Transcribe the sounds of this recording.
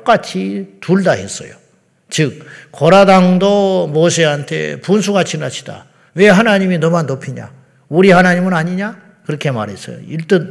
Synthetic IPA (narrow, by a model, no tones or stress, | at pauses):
k͈at͡ɕʰituɭdaɦe̞̰s͈ʌ̰jo̰ | t͡ɕɯk̚koɾadaŋdomos̬ʰeɦantʰe̞̰punsʰuɡat͡ɕʰinat͡ɕʰi̥da̰ | we̞ɦanaɲiminʌmanːopʰiɲa̰ | uɾihanaɲimɯnaɲiɲa | kɯɾʌkʰe̞maɾɦe̞s͈ʌ̰jo̰iɭt͈ɯn